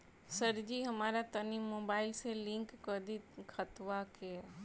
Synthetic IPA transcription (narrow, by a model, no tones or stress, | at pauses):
səɾd͡ʒiɦɐmaːɾat̪ənimːoːbaːɪlselɪ̃ŋkːəd̪ikʰət̪ʋakeɛ